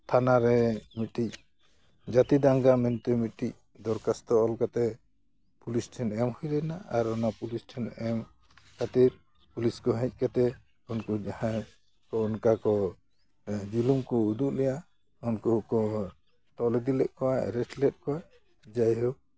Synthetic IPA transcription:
t̪ʰanaɾɛmiʈic̚ | d͡ʒat̪id̪aŋɡamɛnt̪ɛmiʈic̚ | d̪ɔɾkast̪ɔɔlkat̪ɛ | pulisʈʰɛnɛmhɔjlɛnaaɾɔnapulisʈʰɛnɛm | kʰat̪iɾ | puliskɔɦɛ̃c̚ˀkat̪ɛ | unkud͡ʒahã | kɔɔnkakɔ | d͡ʒulumkɔud̪uʔlɛja | unkukɔ | ʈɔlɛd̪ilɛʔ̚kɔwa̰ɾɛʈlɛt̚kɔwa | d͡ʒajɦɔw

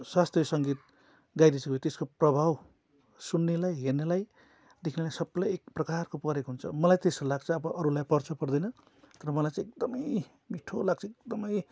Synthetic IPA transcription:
swast̪rjʌsʌŋɡit̪̚ | ɡajd̪isʰʌkojt̪eskoprʌbʱaw | sunːelajɦernelaj | d̪ekʰinelajsʌblʌjek̚prʌkarkopʌɾekoɦunt͡sʰʌ̰mʌlajt̪esolaɡ̚t͡sʰʌːbʌʔʌɾulajpʌrt͡sʰʌpʌrd̪ʌjnʌ | t̪ʌɾʌmʌlajt͡sãek̚d̪ʌmʌj | miʈʰolaɡ̚t͡sʰʌek̚d̪ʌmʌj

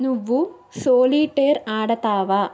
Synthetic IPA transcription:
nuʋːu | soːliːʈːeːɾaːɽɐt̪aːʋa

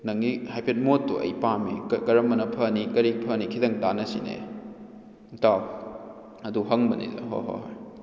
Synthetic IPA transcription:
nɐŋːihajpʰet̚motːuʔɐ̰jpamikɐɾɐmːɐnɐpʰɐnikɐɾipʰɐnikʰidɐŋdanɐsḭnḛ | ta | ɐduɦɐŋbɐnḭzɐ̰ɦo̰ɦo̰ɦaj

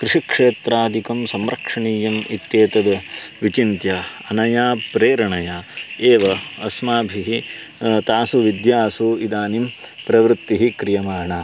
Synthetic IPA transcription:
kɾɪʂikʂeːt̪ɾaːd̪ʱikɐmsɐmɾɐkʂɐɳiːjɐmit̪jeːt̪ɐd̪ɐ | ʋit͡ʃint̪jaː | ɐnɐjaːpɾeːɾɐɳɐjaːeːʋɐɐsmaːbʱiɦi | t̪aːsuʋid̪jaːsuid̪aːnim | pɾɐʋɾut̪ːiɦikɾijɐmaːɳaː

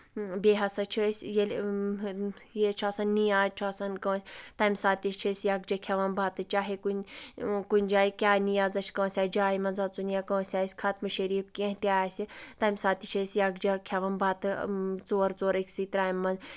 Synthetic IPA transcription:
beːɦɐsɐt͡ʃʰisʲjel | jet͡ʃʰaːsɐnːijaːt͡ʃʰasɐnkɐsʲt̪ɐmsaːt̪iʃt͡ʃʰɐsʲjakd͡ʒɐkʲʰɐʋɐnbaːt̪ɨt͡ʃaːɦekunkunʲd͡ʒaːikʲaːnijaːzɐt͡ʃʰkɐsʲaːd͡ʒaːimɐnzat͡sunijaːkɐːsʲaːisʲkʰaːt̪mɐʃeɾipkʲẽɦt̪ʲaːsʲit̪ɐːmsaːt̪it͡ʃʰɐsʲjakd͡ʒɐkʲʰɐʋɐnbaːt̪ɨt͡soːɾt͡soːɾɐkʰʲsit̪ɾaːjmːɐnz

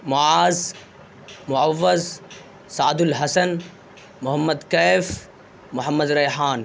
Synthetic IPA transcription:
mʊʕaːz | mʊʕawːɐz | saʕd̪ʊlɦɐsɐn | mʊhɐmːɐd̪kaːf | mʊħamːɐd̪ɾɐjħaːn

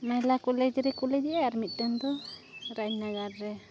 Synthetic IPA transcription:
majlakulɛd͡ʒɾɛkulɛd͡ʒaaɾmit̪̚ˀt̪ɛnd̪ɔɾaɲnaɡaɾːɛ

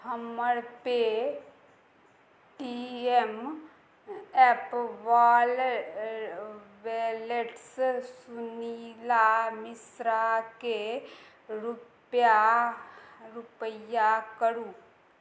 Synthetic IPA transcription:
həməɾpe | ʈiem | ɛpʋaːl | ʋeːleʈssʊnilamɪsɾake | ɾup | ja | ɾʊpəjakəɾũː

